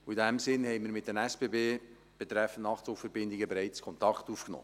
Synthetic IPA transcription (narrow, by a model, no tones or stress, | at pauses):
uidæmsɪnhɛɪmiəɾmɪt̚dənæspebeː | b̥ɛt̪ɾɛfən̩tnɑχtt͡sofəɾbɪnd̪ɪɡəbɛɾɛɪt͡skʰɔnt̪ɑkχtuːfknɔ̰ː